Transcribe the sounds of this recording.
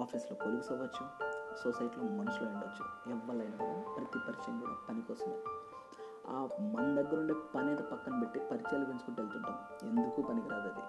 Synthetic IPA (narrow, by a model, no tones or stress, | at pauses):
aːpʰiːsloːkoluɡusɐʋɐt͡ʃːusosɐjiʈloːmɐnɐsloːuɳɖɐt͡ʃːṵɛʋːɐɭɐjnɐa̰mupɾɐt̪ipɐɾit͡ʃɐ̰nd̪ino̰kpɐnikɔːsɐnd̪i | a̰ːmɐnɐd̪ɐɡːɐɾuɳɖeːpɐnɛːt̪ɐpɐkːɐnɐbeʈːipɐɾit͡ʃaːliʋensu̥kuʈelt̪uɳʈa̰ːm | end̪ukuːpɐnikiɾaːɡɐːd̪ḭ